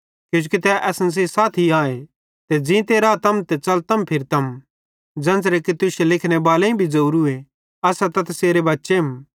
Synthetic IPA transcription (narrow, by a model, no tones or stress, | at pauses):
kjõːd͡ʒukit̪ɛʔɛːsns̬isaːt̪ʰiãːẽ | t̪ed͡ʒĩt̪eːɾat̪ɐmt̪ɛt͡ʃɐlt̪ɐmpʰɪɾt̪ɐm | d͡ʒɐ̃nsɾɛkit̪ʊʃelɪkʰñebaːlẽĩbʱid͡ʒɐuɾue | ɐsat̪ɐt̪ʰɐseːɾebɐtːʃeɦm